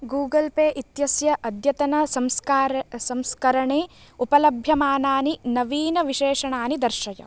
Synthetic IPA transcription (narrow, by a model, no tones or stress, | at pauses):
ɡuːɡɐlpeːʔit̪jɐsjɐʔɐd̪jɐt̪ɐnɐsɐmskːsɐmskɐɾɐɳeːupɐlɐbʱjɐmaːnaːninɐʋiːnɐʋiʃeːʂɐɳaːnid̪ɐɾʃɐjɐ̰